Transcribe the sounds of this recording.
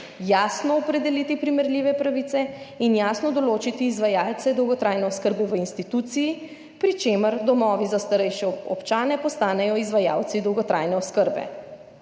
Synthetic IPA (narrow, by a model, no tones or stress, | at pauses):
jaːsnɔɔpɾɛd̪ɛlit̪ipɾimɛɾliːʋɛpɾaʋit̪sɛinjaːsnɔd̪ɔloːt͡ʃit̪iːzʋajaːlt̪ɛd̪ɔwɡɔt̪ɾajnɛɔskəɾbɛʋəinst̪it̪ut̪siji | pɾit͡ʃeməɾd̪ɔmɔːʋizast̪aɾɛjʃɛɔ̰pt͡ʃaːnɛpɔst̪aːnɛjɔizʋaja̰ːwt̪sid̪ɔwɡɔt̪ɾʔaːjnɛɔskəɾbɛ̰